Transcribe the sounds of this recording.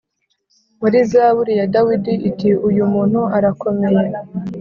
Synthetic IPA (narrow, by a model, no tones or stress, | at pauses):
waɾizaːβuɾijadawidiʔitiujumuːn̥huaɾako̞me̞je